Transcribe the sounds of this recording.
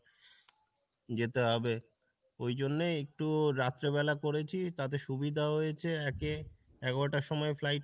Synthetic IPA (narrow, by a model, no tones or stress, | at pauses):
d͡ʑet̪eɦɔbe | ojd͡ʑonːeek̚ʈuɾat̪ːɾeβɛlakoɾet͡ɕʰit̪at̪eʃubid̪ʱaɦojet͡ɕʰeɛke | ɛɡoʈaʃɔmɔeflajʈ